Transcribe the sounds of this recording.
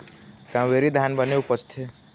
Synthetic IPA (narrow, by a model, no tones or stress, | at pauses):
kãʋeɾid̪ʱjanbəneupət͡ʃt̪ʰe